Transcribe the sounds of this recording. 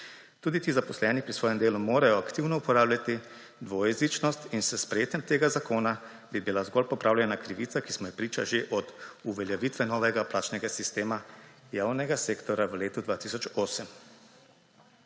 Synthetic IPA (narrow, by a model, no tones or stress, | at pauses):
t̪uːd̪it̪izapɔslɛnipɾisʋɔːjɛmd̪eːlumoːɾajɔakt̪iwnɔupɔɾaːblʲjat̪i | d̪ʋɔjɛzit͡ʃnɔst̪insəspɾɛjeːt̪ɛmt̪eːɡazakoːna | bibilazɡɔlpɔpɾʔaːwlʲjɛnakɾiʋiːt̪sakismɔjɛpɾiːt͡ʃaʒeʔɔd̪uʋɛljɛʋit̪ʋɛnɔːʋɛɡaplaːt͡ʃnɛɡasist̪eːmajaːwnɛɡaseːkt̪ɔɾjaʋleːt̪ud̪ʋaːt̪isɔt͡ʃoːsəm